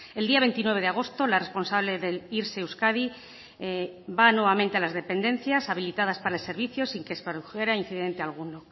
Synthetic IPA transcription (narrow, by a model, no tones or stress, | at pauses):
e̞ld̪iaβe̞nt̪inwe̞β̞e̞ðeaɣ̞o̞st̪o̞lare̞spo̞nsaβle̞ðe̞liɾseuskaði | banwe̞β̞ament̪e̞alazðe̞pe̞nd̪ẽ̞n̟θjasaβ̞ilit̪að̞aspaɾaelse̞ɾβiθjo̞siŋkespeɾðuxe̞ɾain̟θiðe̞nt̪ealɣ̞uno